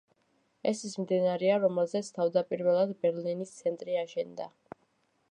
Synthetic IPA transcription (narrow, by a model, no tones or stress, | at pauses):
ɛsismd̪inaɾɛaɾɔmɛlˠzɛt̪sʰt̪ʰavd̪apʼiɾvɛlˠad̪bɛɾlinist̪sʰɛnt̪ʼɾiaʃɛnd̪a